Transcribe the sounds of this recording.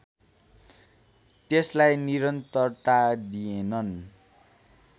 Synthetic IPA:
t̪eslajniɾʌnt̪ʌrt̪ad̪ienʌn

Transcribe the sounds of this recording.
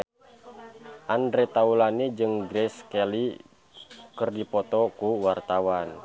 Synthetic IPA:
ʔandɾɛt̪aulanid͡ʒɨŋɡɾɛskɛli | kɨrdipɔt̪ɔkuwart̪awan

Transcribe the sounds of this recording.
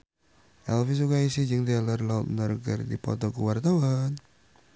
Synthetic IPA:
ʔɛlfis̬ukaisid͡ʒɨŋd̪ialərlaʊt̪̚nərɡə̰rdipɔ̰t̪ɔkəwart̪awan

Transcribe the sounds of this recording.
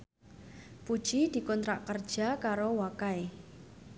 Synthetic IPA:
pud̥ʒ̥id̪̥i̤kɔnt̪ɾaʔkərd̥ʒ̥akaɾowakae

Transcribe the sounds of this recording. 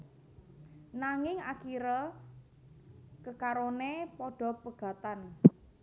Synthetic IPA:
naŋɪŋa̰kiɾɔ | kəkaɾonepɔɖ̥ɔ̤pəɡ̥a̤t̪an

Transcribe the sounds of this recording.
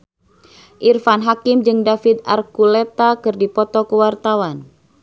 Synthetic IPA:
ʔirfanɦakɪmd͡ʒɨŋdafit̪̚arkulet̪akɨrdipɔt̪ɔkəwart̪awan

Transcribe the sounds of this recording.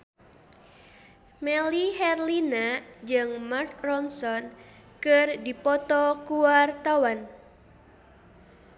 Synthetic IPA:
mɛliɦɛrlinad͡ʒɨŋmarkrɔnsɔn | kɨrdipɔt̪ɔkuwart̪awan

